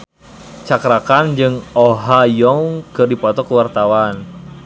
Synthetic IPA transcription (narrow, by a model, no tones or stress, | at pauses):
t͡ʃakɾakand͡ʒɨŋoɦajɔŋkɨrdipɔt̪ɔkəwart̪awan